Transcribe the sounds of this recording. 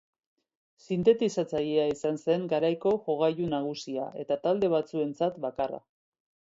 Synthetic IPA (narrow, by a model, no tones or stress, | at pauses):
sint̪e̞t̪isat͡saʎeaisanse̞ŋɡaɾajko̞ʝoɣajunaɣ̞usia̰ʔe̞t̪at̪ald̪e̞βat͡sue̞nt͡sat̪bakara̰